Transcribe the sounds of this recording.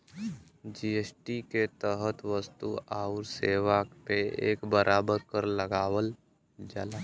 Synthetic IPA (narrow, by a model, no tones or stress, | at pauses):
d͡ʒiːesʈiket̪əɦət̪ʋəst̪uaːʊɾseːwakpeḛːkbəɾʔaːbəɾkəɾləɡaːwəl | d͡ʒa̰ːlaː